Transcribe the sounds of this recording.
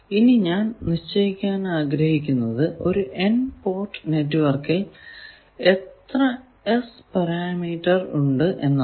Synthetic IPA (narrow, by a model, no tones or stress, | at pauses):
iniɲaːnniɕt͡ɕːɐjikʲːaːnaːɡɾɐhikʲːunːɐðɨo̞ɾuʔenpo̞ːrʈːɨ̥ne̞tːuʋɐrkil | e̞t̪rɐ | espɐɾaːmiːʈːɐruɳɖɨʔe̞nːɐ